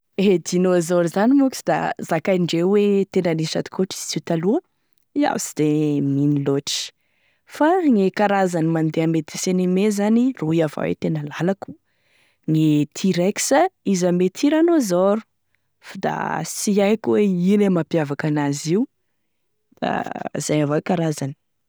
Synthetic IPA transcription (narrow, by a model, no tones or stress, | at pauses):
ed̪inozoɾuzanimukisid̪a̰zakaɳɖ͡ʐewet̪enanisa̰d̪i̥koʈ͡ʂi̥zt͡sit̪aluə | ia̰si̥d̪̥eminiloʈ͡ʂi̥ | faŋekaɾazanimand̪eamet̪i̥senimezaniruiava̰wḛt̪enəlalaku̥ | ŋit̪ʰiɾeksaizamet̪ʰiɾanozoɾu̥ | fad̪a̰siajkuweilemapjavakanaziw | d̪̥a̰z̥ajavakaɾazani̥